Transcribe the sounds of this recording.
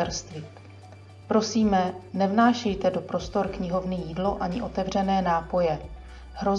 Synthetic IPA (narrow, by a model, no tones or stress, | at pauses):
ɛɾst̪vɪ | pɾo̞siːmɛnɛvnaːʃɛjt̪ɛdo̞pɾo̞st̪o̞ɾkɲɪɦo̞vnɪjiːdlo̞ʔaɲɪʔo̞t̪ɛvr̝ɛnɛːnaːpo̞jɛ | ɦɾo̞z